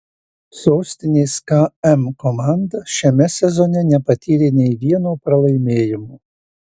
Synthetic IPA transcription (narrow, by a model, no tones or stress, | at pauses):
soːsʲt̪ʲɪnʲeːskɐɛmkɔmɑˑnd̪ɐʃʲɛmʲɛsʲɛzɔnʲɛnʲɛpɐt̪ʲiːɾʲeːnʲɛɪʋʲiɛnoːpɾɐlˠɐɪmʲeːjɪmoː